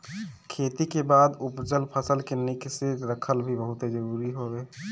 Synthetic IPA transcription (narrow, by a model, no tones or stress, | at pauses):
kʰet̪ikebaːd̪upd͡ʒəlpʰəsəlkenikseɾəkʰəlbʱibəɦʊt̪ed͡ʒəɾuːɾiɦobe